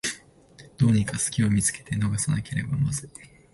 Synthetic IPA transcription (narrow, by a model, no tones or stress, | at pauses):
d̪̥o̞ːɲ̟ikasɨ̥kʲio̞mʲit͡sɨ̥ke̞̥t̪e̞no̞ɡasanake̞ɾe̞bamazɨ